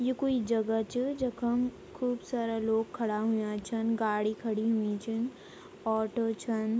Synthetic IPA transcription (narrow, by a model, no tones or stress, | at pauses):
jekoːid͡ʒɐɡat͡ʃʰəd͡ʒɐkʰɐm | kʰuːbsaːɾaloːɡkʰːɐɽaɦujãt͡ʃʰɐnɡaːɽikʰɐɽiɦuĩt͡ʃʰən | ɔːʈoːt͡ʃʰɐn